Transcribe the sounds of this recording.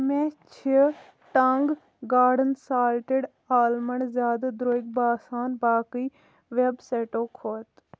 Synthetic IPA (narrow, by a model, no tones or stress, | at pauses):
mẽːt͡ʃʰi | ʈəŋɡ | ɡaːɾɖənsaːlʈeɖ | aːlməɳzjaːd̪ad̪ɾoːɪk̚baːsaːnbaːkiː | ʋebseːʈoːkʰoːt̪